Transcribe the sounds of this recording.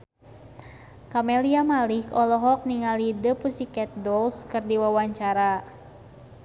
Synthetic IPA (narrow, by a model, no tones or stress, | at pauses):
kamɛliamalikɔlɔɦɔk̚niŋalidəpusikɛt̪̚dɔlskɨrdiwawaɲt͡ʃaɾa